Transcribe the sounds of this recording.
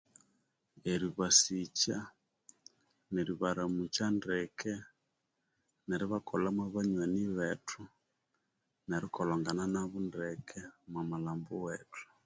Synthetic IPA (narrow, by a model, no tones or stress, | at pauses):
eɾiβasit͡ʃa | neɾiβaɾamut͡ʃandɛkʰɛ | neɾiβakʰolamwaβaɲwaniβetʰu | neɾikɔlaŋɡananaβundɛkʰɛmwamalambuwetʰu̥